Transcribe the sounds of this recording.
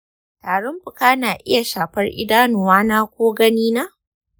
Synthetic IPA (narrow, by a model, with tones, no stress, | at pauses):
taː˨ɽʊ˦mɸʊ˨kaː˦naː˨ʔɪ˦ja˨ʃaː˨ɸɐ˦rʔɪ̰˦daː˦nʊː˨waː˦naː˦kʷoː˦ɡɐ˦niː˦naː˦